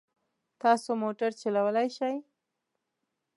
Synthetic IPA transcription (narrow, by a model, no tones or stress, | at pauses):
t̪ɑsomoʈaɾt͡ʃalawəlajʃaj